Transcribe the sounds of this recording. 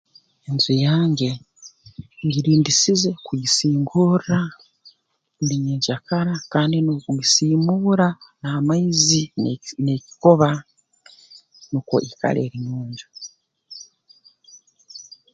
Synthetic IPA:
enzujaːɲɟe̞ | ɟiɾiːndisize̞kujisiːŋɡuɾːa | nɾiɲeːɲʃakaɾakaːndinukuɡisiːmuɾanaːmaizineci̥ko̞βa | nuko̞̰ʔika̰le̞̰ɾiɲuːɲɟu

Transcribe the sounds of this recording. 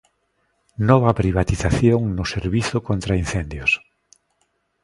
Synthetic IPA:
nɔβɐpɾiβ̞at̪iθaθjoŋnʊseɾβiθʊkont̪ɾainθend̪jos

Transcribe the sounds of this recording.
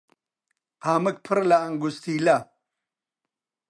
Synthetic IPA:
aːmɐk̚pʰɐɾlaŋɡust̪iːla

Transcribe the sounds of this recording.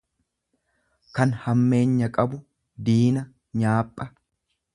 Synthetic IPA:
kɐnhɐmːe̞ːɲːɐkʼɐbʊ | d̪iːnɐ | ɲaːpʼːɐ

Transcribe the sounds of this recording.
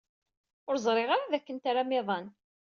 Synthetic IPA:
ʊɾzˤɾˤeʁaɾaðækːənt̪aɾamɪðˤɑn

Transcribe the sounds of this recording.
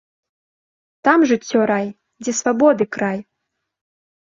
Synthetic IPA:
t̪amʐɨt͡sʲːɔɾaj | d͡zʲɛsvabɔd̪ɨkɾaj

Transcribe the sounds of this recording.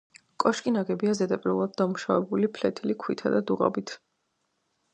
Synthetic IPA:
kʼɔʃkʼinaɡɛbiazɛd̪apʼiɾvulˠad̪̚d̪amuʃavɛbulipʰlɛt̪ʰilikʰwit̪ʰad̪ad̪uʁɔ̰bit̪ʰ

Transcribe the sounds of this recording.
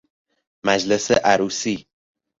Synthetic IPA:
mæd͡ʒleseʔæɾuːsiː

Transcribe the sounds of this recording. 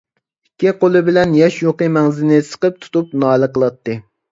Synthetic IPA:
ikʲːiqolˠɨbɪlɛnjɛʃjoqimɛŋzɪnɪsə̥qəp̚t̪ʰu̥t̪up̚nɑːlˠəqəlˠɑt̪ːɨ

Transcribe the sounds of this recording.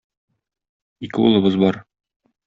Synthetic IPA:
ikɘṵlˠɤ̆bɤzbɒɾ

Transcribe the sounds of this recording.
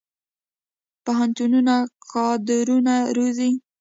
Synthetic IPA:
paɦant̪ununakɑd̪ɪɾunaɾozi

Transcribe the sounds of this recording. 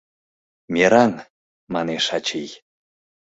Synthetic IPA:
mʲeɾɑn | mɑneʃɑt͡ɕij

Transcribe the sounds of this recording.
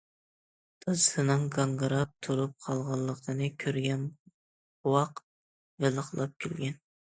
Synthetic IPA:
d̪̥ɑzɨt̪ʰɨnɨŋɡɑŋɡɾɑp̚t̪ʰuɾup̚qʰɑlˠʁɑlˠːəqd̪ɨnɨkʲʰøɾɡʲɛn | wɑq | velˠəχlˠɑp̚kʲʰelɡʲɛn

